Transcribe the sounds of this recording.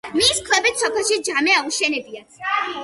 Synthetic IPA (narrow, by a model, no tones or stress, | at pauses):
miskʰlɛbɛt̪sɔpʰɛlˠʃid͡ʒamɛauʃɛnɛbia